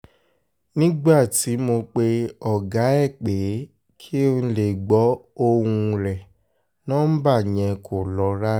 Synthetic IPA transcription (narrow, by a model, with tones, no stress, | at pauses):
nĩ˦ɡ͡ba˦˨ti˨˦mo˧k͡pe˧ɔ˨ɡa˨˦ɛ˦˨k͡pe˨˦ | kʰi˦o˦˧n̩˧le˨ɡ͡bɔ˨˦o˧wũ˧ɾɛ˨ | nɔ̃˦n̩˦ba˦˨ɲ̃ɛ̃˧kʰo˨lɔ˨˦ɾa˦